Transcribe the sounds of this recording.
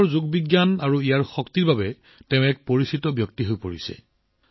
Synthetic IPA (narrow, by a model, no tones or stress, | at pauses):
ɹzuɡ̚biɡjanaɹuijaɹxɔktiɹbabɛ | tɛʊ̃ɛk̚poɹisitɔbjɔk̚tiɦojpoɹisɛ̰